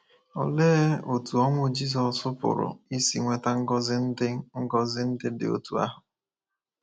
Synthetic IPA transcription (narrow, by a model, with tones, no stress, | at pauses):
ɔ̰˨leː˦o˨tu˨ɔ˦ŋʷʊ˦d͡ʒi˦zɔ˨sʊ˦pʊ̰˨ɾʊ̰˨i˦si˨ŋʷe˨ta˦ŋ̩˦ɡɔ˦zɪ˦n̩˦dɪ˦ŋ̩˦ɡɔ˦zɪ˦n̩˦dɪ˦dɪ̰˨o̰˦tu˨a̰˦ɦʊ˨